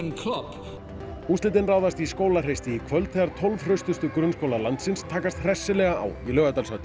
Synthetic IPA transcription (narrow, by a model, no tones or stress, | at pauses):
nkʰlɔp | uːst̪ɪt̪ɪnraːwðast̪iskoːwlar̥ejst̪ɪikʰvœlt̪θɛaɾt̪ʰɔlvr̥œst̪ʏst̪ʏkɾʏnskoːwlalant̪sɪnst̪ʰaːkast̪r̥ɛsːɪlɛɣaa̰wilœːɣat̪alsœt̪